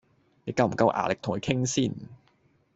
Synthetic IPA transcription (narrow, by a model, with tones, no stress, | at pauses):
ne˨˥kɐ˧wm̩˨˩kɐ˧wʔa̰ː˨˩lɪ˨k̚t̪ʰʊ˨˩kʰɵ˧jkʰɪ˥ŋsiː˥˩n